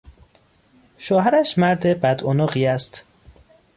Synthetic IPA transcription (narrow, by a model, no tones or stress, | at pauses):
ʃoːhæɾæʃmæɾd̪e̞bæd̪onoːɣiːæst̪